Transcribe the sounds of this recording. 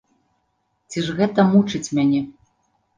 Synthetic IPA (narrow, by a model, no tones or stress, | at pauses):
t͡sʲiʐɣɛt̪ɐmut͡ʂɨt͡sʲmʲanʲɛ